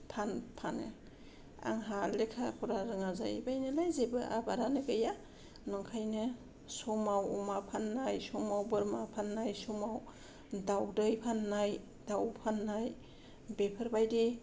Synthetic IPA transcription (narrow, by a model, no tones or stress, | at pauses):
pʰanpʰanɯ̰ | a̰ŋɦalekʰapʰuɾaɾɯŋaza̰jbajnɯlajzebɯʔa̰baɾanɯɡɯja | nɔŋkʰajnɯ | sɔmawɔmapʰanːajsɔmawbɯɾmapʰanːajsɔmaw | dawdɯjpʰanːaj | dawpʰanːaj | bepʰɯɾbajdi